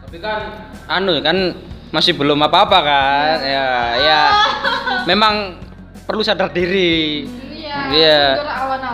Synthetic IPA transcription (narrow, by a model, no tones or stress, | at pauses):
abikan | anukanmasɪhbəlʊmapaːpakajaja | memaŋ | pərlusadardiɾi | ja